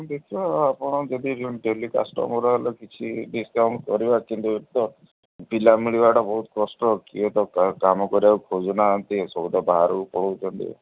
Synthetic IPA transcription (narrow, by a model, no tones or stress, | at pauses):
d̪ekʰiɔapɔɽ̃ɔd͡ʒed̪iɾuɳɖelika̰sʈɔ̰mɔɾɔɦelɔkit͡ʃʰiɖiskaw̃ɳʈkɔɾibakint̪uet̪ɔ | pilamiɭiβaʈɔbɔɦut̪ɔkɔsʈɔkiet̪ɔkkamɔkɔɾiakukʰod͡ʒɔnaɔnt̪isɔud̪ɔbaɦɾɔpɔɽ̤ɔwt͡ʃʰɔnt̪ḭ